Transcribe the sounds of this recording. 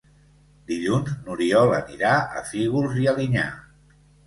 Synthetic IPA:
d̪iʎunznuɾiɔləniɾaə̰fiɣulˠziəliɲa̰

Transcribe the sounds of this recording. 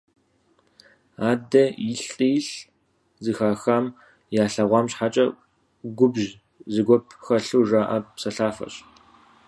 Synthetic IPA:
aːdɐjɪɬʼiːɬ | zɨxaːxaːm | jaːɬɐʁʷɑːmɕħat͡ʃʼɐ | ɡʷʊbʒ | zɨɡʷɔp̚ʰxɐɬuːʐaːʔɐpsɐɬaːfɐ̰ɕ

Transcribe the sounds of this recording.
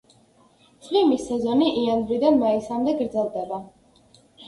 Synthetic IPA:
sʰʼlimisɛzɔniʔiand̪ɾid̪anmaisamd̪ɛɡɾd̪zɛlˠd̪ɛba

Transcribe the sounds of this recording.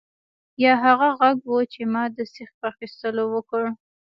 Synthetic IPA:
jɑɦaɣaɣaɡwət͡ʃemɑd̪əsɪx̚pəaxist̪əlowəkəɽ

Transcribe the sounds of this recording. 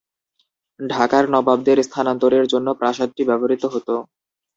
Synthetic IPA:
ɖʱakaɾnɔbab̚d̪eɾst̪ʰanant̪oɾeɾd͡ʑonːopɾaʃad̪̚ʈibɛboɾit̪oɦot̪o

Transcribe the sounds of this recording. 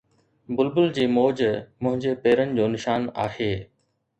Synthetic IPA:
bʊlbʊld͡ʑiːmoːd͡ʑmʊ̃ɦɪ̃ɲd͡ʑepeːɾənɪ̆d͡ʑoːnɪʃaːnaːheː

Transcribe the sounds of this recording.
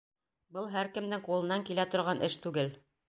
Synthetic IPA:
bɤlˠɦæɾkɘ̆md̪ɘŋqulˠɤ̆nːɑŋkilæt̪ŏɾʁɑnʔɘʃt̪ʉɡɘl

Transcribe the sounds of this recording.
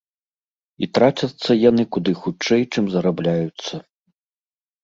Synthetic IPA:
it̪ɾat͡ʃʲɐt̪sːɐjanɨkud̪ɨxut͡ʂɛjt͡ʂɨmzɐɾablʲajut̪sːɐ

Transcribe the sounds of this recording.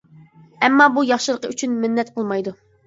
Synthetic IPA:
ɛmːɑbujɑχʃɨlˠəqəyt͡ʃʰynmɪnːɛt̪qʰəlˠmɑjd̪u

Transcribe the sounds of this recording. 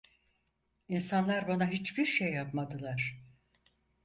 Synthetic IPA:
insanlˠaɾbanaɦit͡ʃbiɾʃejːapmad̪ɯlˠaɾ̥

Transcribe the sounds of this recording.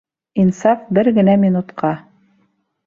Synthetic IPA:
insɑfbɘɾɡɘ̆næmʲinut̪qɑ

